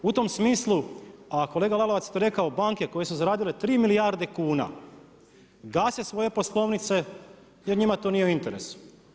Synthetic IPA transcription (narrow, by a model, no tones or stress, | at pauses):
ut̪o̞msmiːslˠuako̞leːɡalˠaloʋat̪sjet̪oɾe̞kaobaŋke̞ko̞jesuzaɾaːd̪ile̞t̪ɾiːmilijaːɾd̪e̞kuːna̰ | ɡaːsesʋo̞je̞po̞slˠo̞ʋnit̪se̞ | jeɾɲimat̪onijeuint̪eɾḛsu̥